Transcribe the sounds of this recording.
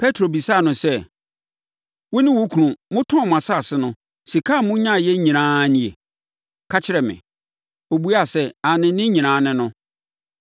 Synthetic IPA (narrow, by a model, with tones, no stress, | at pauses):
pʰɛ˦tʰɾo˨bi˨saː˦˨nʊ̃˨sɛ˦ | wʊ˦nɪ̃˦wʊ˦kʰũ˨ɾũ˨mʊ̃˦tʰɔ̃˦˨m˨ã˨sa˦˨sɪ˦nʊ̃˦ | si˨kʰa˦˨mʊ̃˦ɲã˦˨jɛ˦ɲĩ˨nãː˦nĩ˦˨e˨ | kʰa˦t͡ɕʰɪ˦ɾɛ˨mɪ̰̃˨ | o˨bu˦a˨sɛ˦a˨nɪ̃˨˦nɪ̃˦ɲĩ˨nãː˦nɪ̃˦nʊ̃˦